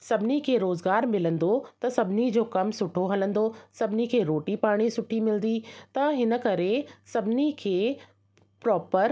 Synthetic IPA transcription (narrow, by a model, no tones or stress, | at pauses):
sɐbʱɪnikʰeːɾoːzɡaːɾmɪlə̃nd̪ot̪ɐsɐbʱɪnid͡ʑoːkɐmsʊʈʰoɦɐlə̃n̆d̪osɐbʱɪnikʰeːɾoːʈipaːɽ̃isʊʈʰimɪl̃nd̪it̪ɐɦɪnə̆kɐɾesɐbʱɪnikʰeː | pɾɔːpəɾ